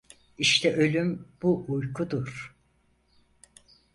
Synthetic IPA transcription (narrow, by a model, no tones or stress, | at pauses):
iʃt̪ʰɛʔø̞lʲymb̥uʔujkʰud̪uɾ̥